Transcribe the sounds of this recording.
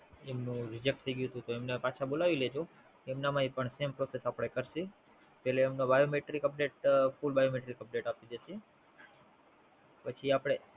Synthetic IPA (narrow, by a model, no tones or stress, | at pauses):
emnũɾid͡ʒek̚ʈ̚t̪ʰəijɡjũt̪ũt̪oemnepat͡ʃʰabolaʋiled͡ʒo | keemnamaipəɳsempɾosesapɽ̃ekəɾʃi | pɛleːmnobajomeʈɾikəp̚ɖeʈfulbajomeʈɾikəp̚ɖeʈapid̪eʃi | pət͡ʃʰiapɽ̃e